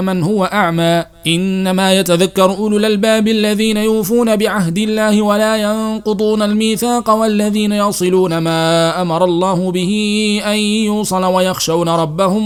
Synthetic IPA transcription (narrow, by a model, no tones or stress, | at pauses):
manhʊwaʔaʕmaː | ʔɪnːamaːjat̪aðakːɑɾˤʔʊlʊlalbaːbʔalːaðiːnajuːfuːnabɪʕahd̪ɪlːaːhɪwalaːjɑnqʊd̪ˤuːnalmiːθaːqɑwalːaðiːnajɑsˤɨluːnamaːʔamɑɾˤɑlˤːɑːhʊbɪhɪʔanjuːsˤɑlwajɑxʃawnaɾˤɑbːahʊm